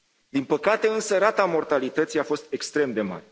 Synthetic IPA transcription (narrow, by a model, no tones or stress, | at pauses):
d̪inpəkat̪e̞ɨnsəɾat̪amo̞rt̪alit̪ət̪sijafo̞st̪̚e̞kst̪ɾe̞md̪e̞ma̰ɾe